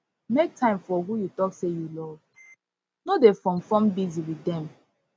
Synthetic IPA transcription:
mek̚tʰãɪ̃mfɔɦujutɔksejulɔv | nodefɹɔ̃mfɔ̃mbiziwidɛ̃m

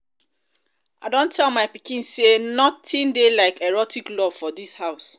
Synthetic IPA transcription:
aɪdõntʰɛlmaɪpikĩnsenɔtʰĩndelaɪkɛɹɔtʰiklɔvfɔdishaʊs

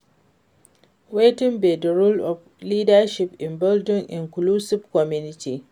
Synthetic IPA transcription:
wetɪmbedɐɾulɔf | liːdaʃɪpɪnbɔldɔnʔɪŋkluːsɪbkɔmjunɪti

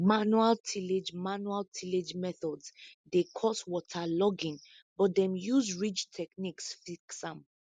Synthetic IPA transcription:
manualtʰiled͡ʒmanualtʰiled͡ʒmɛθɔdsdekʰɔswɔtʰalɔɡĩn | bɔt̚dɛ̃mjuzɹit͡ʃtʰɛkniksfiksãm

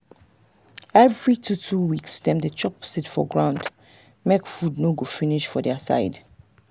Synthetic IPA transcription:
ɛvɹitutʰuwikstɛ̃mdət͡ʃɔpsitfɔ̰ɡɹãʊ̃nd | mekfudnoɡofiniʃfɔdɛasa̰ɪd

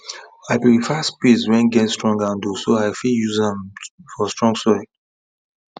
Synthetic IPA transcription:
aɪpɹifaspiswɛ̃nɡɛ̃nstɹɔ̃ŋɡãndusoaɪfiljuzɛ̃mfɔstɹ̥ɔ̃ŋɡsɔɪ

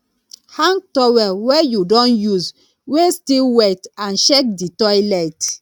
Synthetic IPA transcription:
hãŋɡ̚tɔwɛwɛjudɔ̃njuz | westiwatãnʃɛk̚ditɔjlajt

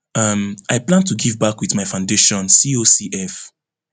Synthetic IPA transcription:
ʌmaɪplãntuɡivbakwiðmaɪfãʊ̃ndeʃɔ̃nsiosiʔɛf

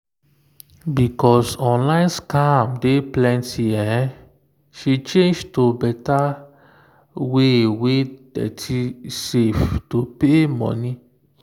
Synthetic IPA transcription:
bikɔsɔ̃nlãjnskamdeplɛ̃ntʰiɛ | ʃit͡ʃẽnd͡ʒtobɛta | wewedɛ̰tʰiseftopemɔ̰̃nĩ

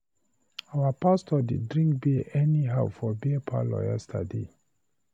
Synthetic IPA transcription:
awapastʰɔdidɹĩŋkbiʔɛniɦaʊfɔbipʰa̰lɔ̰jɛ̰stʰa̰dḛ

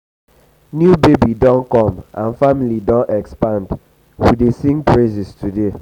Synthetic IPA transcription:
njubebidɔ̃nkɔ̃mʔã̰nfamilidɔ̃ntɛkspãnd | widesĩŋpʰɹezistude

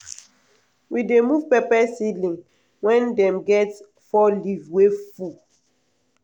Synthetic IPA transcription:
widemuvpɛpɛsilĩŋ | wɛ̃ndɛ̃mɡɛt | fɔlivwefu

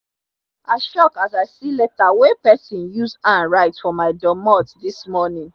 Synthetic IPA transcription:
aɪʃɔkazaɪsiletawepɛsĩnjusãnɹaɪtfɔmaɪdɔ̃mɔtdismɔnĩn

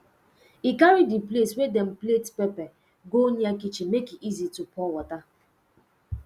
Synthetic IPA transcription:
ikaɾidipleswedɛm̩pletpɛpɛ | ɡoniakit͡ʃimekiʔizitupɔwɔta

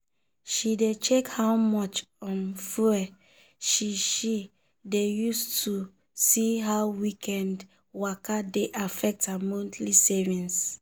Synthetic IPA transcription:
ʃidet͡ʃekhawmɔt͡ʃɔ̃nfuɛ | ʃiʃi | dejustʰu | siɦawwikʰɛ̃nd | wakadeʔafɛk̚thamɔ̃ntʰlisevĩns

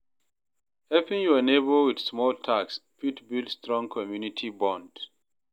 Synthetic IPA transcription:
hɛpĩŋjuɛnebəlwidsmɔltʰakspitbildstɹɔ̃ŋkʰɔmjunitʰibɔ̃nd̥

